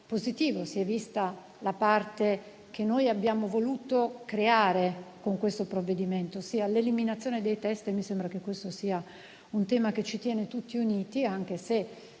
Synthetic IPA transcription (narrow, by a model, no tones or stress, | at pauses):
pozit̪iːvosiɛvist̪a | lapart̪e | k̟enːojabjaːmovoluːt̪okɾeaːɾekoŋkwest̪opɾovːed̪iment̪osiːaleliminat̪sːjoːned̪ejt̪ɛst̪misembɾak̟ekːwest̪osiːa | unt̪ɛːmaket͡ʃːit̪jɛːnet̪ut̪ːiuniːt̪iaŋk̟ese